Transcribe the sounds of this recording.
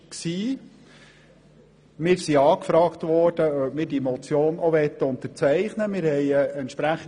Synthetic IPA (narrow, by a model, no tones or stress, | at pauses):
ksiː | mɪːɾsiɑːkfɾɑːktʋɔːɾd̥əœpmɪːɾdiemɔt͡sjoːnɔʋɛt̪ːəʊnt̪əɾt͡sɛɪχnəmɪːɾhɛɪəɛntʃpɾæχə